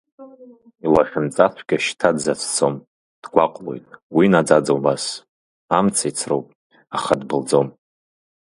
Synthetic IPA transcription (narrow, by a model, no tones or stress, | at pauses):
ilaʃᶣʊmt͡sʼatʷʰɡʲaʃtʰadzat͡sʰt͡sʰo̞m | d̥ɡʷaqʷʼlo̞̰jtʼwinad͡zad͡zobas | amt͡sʰajt͡sʰrowpʼ | aχadbɨld͡zo̞m